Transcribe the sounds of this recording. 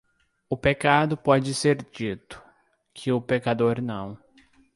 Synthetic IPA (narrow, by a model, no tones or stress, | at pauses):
ʊpekad̪ʊpɔd͡ʒɪseɾd͡ʒit̪ʊ̥ | kʰɪʊpekad̪oɾnɐ̃w̃